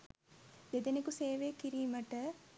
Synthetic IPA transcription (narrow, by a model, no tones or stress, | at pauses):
d̪ed̪enekuseːʋeːkiɾiːməʈə